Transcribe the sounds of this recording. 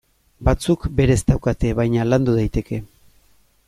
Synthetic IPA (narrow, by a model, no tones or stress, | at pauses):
bat͡sukbe̞ɾe̞zd̪awkat̪e̞βajɲaland̪uð̞ajt̪e̞kʰe̞